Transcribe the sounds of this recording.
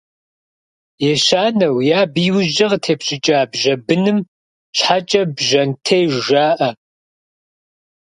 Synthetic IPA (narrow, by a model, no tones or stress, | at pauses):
jɛʃaːnɐwjaːbiːwʒɐʁtʰeːpɕʼɪt͡ʃʼɐaːbʒɐbɨnɨm | ɕħat͡ʃʼɐbʒɐntʰejʒaːʔɐ